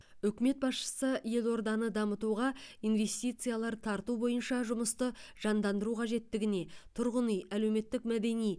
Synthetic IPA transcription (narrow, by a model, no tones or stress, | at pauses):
ʏkʲɪme̞t̪̚bɑsʃə̥səje̞lˠo̞ɾd̪ɑnəd̪ɑmət̪uʁɑijnve̞st̪ijt̪sɨjalˠɑɾt̪ʰɑɾt̪ubo̞jənʃɑʒʊməst̪əʒ̥ɑnd̪ɑnd̪əɾuqʰɑʒe̞t̪ːɪɡʲɪne̞t̪ʰʊɾʁənijæle̞wme̞t̪ːɪkmæd̪e̞nij